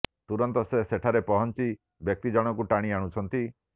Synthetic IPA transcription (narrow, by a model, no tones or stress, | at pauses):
t̪uɾɔnt̪ɔseseʈʰaɾepɔɦɔnt͡ʃi | bjɔk̚t̪id͡ʒɔɽ̃ɔkuʈaɽ̃iaɽ̃ut͡ʃʰɔnt̪i